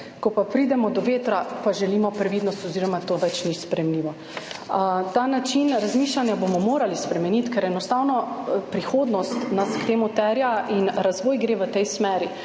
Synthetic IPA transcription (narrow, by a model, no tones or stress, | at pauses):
kɔpapɾid̪ɛmɔd̪ɔʋeːt̪ɾapaʒɛlimɔpɾɛʋid̪nɔst̪ɔziːɾɔmat̪oːʋɛt͡ʃnispɾɛjɛmliːʋɔ | t̪anat͡ʃinɾazmiːʃlanjabomɔmoːɾalispɾɛmɛnit̪kɛɾɛnɔst̪awnɔpɾixoːd̪nɔst̪naskt̪eːmut̪ɛɾjaʔinɾazʋoːjɡɾeːʋət̪ɛjsmɛːɾi